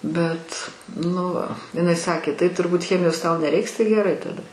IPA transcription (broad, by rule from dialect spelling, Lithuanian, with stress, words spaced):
ˈbʲɛt ˈnʊ ɪˈnɐɪ ˈsɑːkʲeː tɐɪ tʊrˈbuːt ˈxʲæːmʲɪjoːs tɐʊ nʲɛˈrʲɛɪks tɐɪ ɡʲɛˈrɐɪ tɐˈdɐ